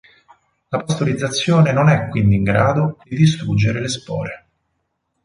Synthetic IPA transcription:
lapast̪oɾid̪zːat̪sːjoːnenonɛkːwind̪iːŋɡɾaːd̪od̪̥id̪ist̪ɾud͡ʒːeɾelespɔ̰ːɾe

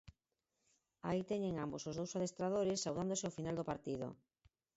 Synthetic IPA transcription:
ait̪ɛɲeŋambosozðowsaðest̪ɾaðoɾɪsːawðand̪osɪofinald̪opaɾt̪iðo̰

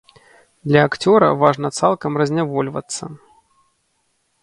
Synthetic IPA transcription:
d̪lʲɐːkt͡sʲɔɾɐ̰vaʐnɐt̪salˠkɐmrɐzʲnʲavɔlʲvɐ̰t̪sːɐ

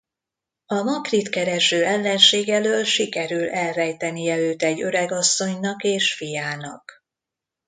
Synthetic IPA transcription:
ɒmɒkrit̪kɛɾɛʃøːɛlːɛnʃeːɡɛløːlʃikɛɾylɛlvɛjt̪ɛnijɛøːt̪ɛɟːøɾɛɡɒsːo̞ɲnɒkeːʃfijaːnɒk

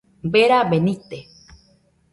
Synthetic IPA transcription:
beɾaβenit̪e

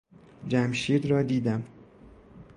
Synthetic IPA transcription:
d͡ʒæmʃiːd̪ɾɒːd̪iːd̪æm

